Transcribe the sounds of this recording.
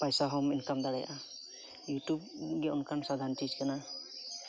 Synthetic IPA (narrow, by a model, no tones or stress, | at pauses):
pajsaɦɔminkamd̪aɽaja̰ʔa | jutub̚ɡɛʊnkansad̪ʱantid͡ʒkana